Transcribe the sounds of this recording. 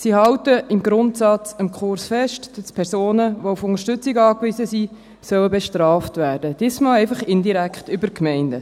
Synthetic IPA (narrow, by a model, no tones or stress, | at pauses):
sihɑwtəʔɪmɡɾʊntsɑt͡səmkχʊrsfɛʃtd̥ɑspʰɛrsoːnəʋoufʊŋəɾʃtʏt͡sɪɡɑːkʋɪzəsi | sœwəbɛʃtrɑːftvæːrd̥əd̥ɪsmɑlɛɪfɑχɪndiɾækχtʏbəkmɛɪndə